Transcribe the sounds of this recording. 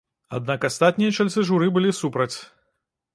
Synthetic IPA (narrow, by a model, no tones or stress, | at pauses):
a̰d̪̚nakast̪at̪̚ʲnʲijɐt͡ʂalʲt̪sɨʐuɾɨbɨlʲisupɾɐt͡sʲ